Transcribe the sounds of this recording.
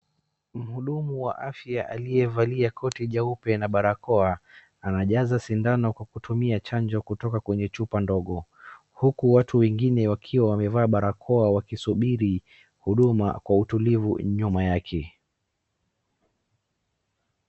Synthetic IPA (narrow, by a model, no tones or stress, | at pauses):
m̩huɗumuwa̰ʔafjaʔalijɛvaliakʰɔtiʄaupɛnaɓaɾakɔa | anaʄazasindanɔkwakutʰumiat͡ʃand͡ʒɔkutɔkakwɛɲɛt͡ʃupandɔɠɔ | hukuwatʰuwɛŋɡinɛwakʰiwawamɛvaːɓaɾakʰɔawakisuɓiɾi | huɗuma̰kwautulivṵɲumajakʰɛ